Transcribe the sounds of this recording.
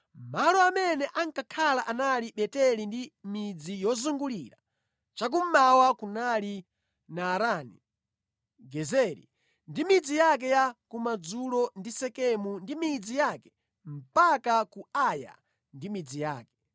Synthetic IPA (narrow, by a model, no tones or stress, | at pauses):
malɔamɛnɛʔaŋkakʰalaʔanaliɓɛtɛlindimid͡zijɔzuŋɡuliɾa̰ | t͡ʃak̬um̩mawakunali | naːɾaːni | ɡɛzɛɾḭ | ndimid͡zijak̬ɛjakumad͡zulɔndisɛkɛmundimid͡zijaːkɛ̥ | m̩pakakuaja̰ | ndimid͡zijaːkɛ̥